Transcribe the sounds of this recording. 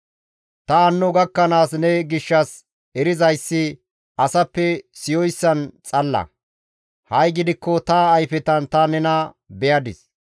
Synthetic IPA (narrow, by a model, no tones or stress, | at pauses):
t̪ɐɐnːɔɡɐkːɐnaːsnɛɡɪʃːɐs | ɛɾɪzɐjsːɪ | ɐsɐpːɛsɪjɔjsːɐnt͡sʼɐlːɐ̰ | hɐjɡɪd̪ɪkːɔt̪ɐːjfɛt̪ɐnt̪ɐnɛnɐ | bɛjɐd̪ɪs